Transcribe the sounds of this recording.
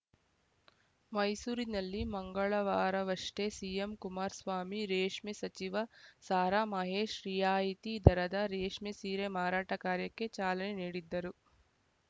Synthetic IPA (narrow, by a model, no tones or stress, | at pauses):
mɐjsuːɾinɐlːimɐŋɡɐɭɐʋaːɾɐʋɐʂʈesijemkumaːɾsʋaːmiɾeːʂmisɐt͡ʃiʋɐsaːɾaːmɐɦeːʂɾijaːit̪id̪ɐɾɐd̪ɐɾeːʂmisiːɾemaːɾaːʈɐkaːɾjɐkːe̞t͡ʃaːlɐneniːɽid̪ːɐɾu